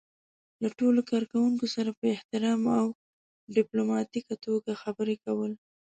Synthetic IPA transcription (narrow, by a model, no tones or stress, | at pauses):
laʈolokɑɾkawuŋkosaɾapəɪht̪ɪɾɑmaw | ɖɪplomɑt̪ikat̪oɡaxabəɾekawəl